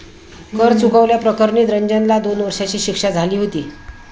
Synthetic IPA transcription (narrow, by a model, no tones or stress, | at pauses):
kʰəɾt͡sukaʋljapɾəkəɾɳiːt̪ɾəɲd͡ʑənlad̪onʋəɾʂat͡ɕiːɕikʂad͡zʱaliːɦot̪iː